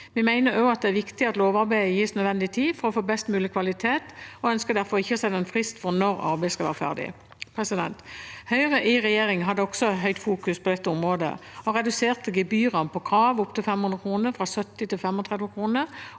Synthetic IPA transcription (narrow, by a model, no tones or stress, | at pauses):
ʋɪmæɪnəɾjoːɑt̪̚d̪ɛæʁʋɪkt̪ɪɑt̪loːʋɑɾbæɪəjiːsnœd̪ʋɛnd̪ɪt̪ʰiːfɔɾɔfoːbɛst̪mʉːlɪkʰʋɑlɪt̪ʰeːt̪ɔœnskəd̪æʁfɔʁɪçːəɔsɛnːəɛnfʁɪst̪fɔʁnɔʁɑ̰ʁbæɪskɑlʋæːʁəfæ̰ʁd̪ɪ̰ | pʰʁɛsɪd̪ɛ̰nt̪hœʏʁəʔɪʁɛjeːʁɪŋɦɑd̪ːəɔɡ̥sɔɦœʏt̪fuːkʉspʰɔd̪ɛt̪ːəʊmʁoːd̪ə̰ɔʁɛd̪ʉseːʁt̪əɡɪbyːʁɑnpʰɔkʰʁɑːʋʊpt̪ɪlfɛmhʉnʁəkʰuːnəʁfʁɑsœt̪ːɪt̪ɪlfɛmɔt̪ʰʁɛd̪ʋəkʰʁuːnə